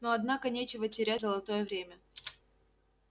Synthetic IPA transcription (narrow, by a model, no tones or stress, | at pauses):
noɐd̪nakənʲet͡ɕɪvətʲɪɾʲæzəlˠɐt̪o̞jəvɾʲemʲə